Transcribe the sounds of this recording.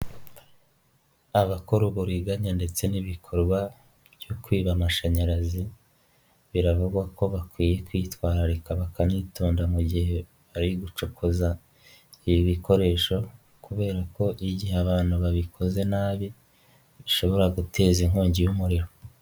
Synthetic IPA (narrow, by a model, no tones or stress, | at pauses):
aβakoɾuɡuɾiɡaɲande̞t͡se̞niβikʰo̞ɾɡwa | bjokwiːβamaʃaɲaɾazi | βiɾavuɡwako̞βakwiːje̞kwiːtwaːɾaɾikaβakaniːtuːndamuɟihe̞ | βaɾiɡut͡ʃokʰoza | iβiβiko̞ɾe̞ːʃo̞ | kuβe̞ːɾako̞ʔiɟiheaβaːn̥huβaβikʰo̞ze̞naːβi | βiʃo̞βo̞ɾaɡutʰe̞ːziŋhoːɲɟijumuɾiɾo̞